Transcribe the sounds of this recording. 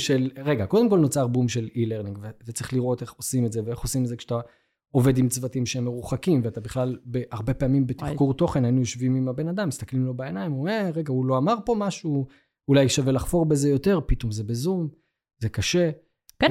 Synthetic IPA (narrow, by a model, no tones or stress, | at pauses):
ʃelʁeɡakod̪e̞mko̞lnot͡saʁbumʃe̞lileʁniŋɡvevet͡saʁiχliʁo̞t̪e̞χo̞simeze̞veeχo̞simetzekʃat̪a | o̞ve̞d̪imt͡svatimʃeemːeʁuχakimveat̪abiχlalbeaʁbe̞paamimbet̪iχkuʁt̪o̞χe̞nainujoʃvimimabe̞nad̪amːist̪aklimlo̞baenajmueʁeɡauloamaʁpo̞maʃu | ulajʃavelaχfo̞ʁbezejo̞t̪e̞ʁpit̪omze̞bezum | zekaʃe̞